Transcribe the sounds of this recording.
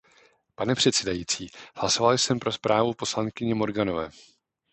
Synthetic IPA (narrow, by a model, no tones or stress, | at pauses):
panɛpr̝̥ɛt̪sɛdajiːt͡siːhlaso̞valɪjsɛmpɾo̞spɾʔaːvupo̞slaŋkɪɲɛmo̞ɾɡano̞vɛː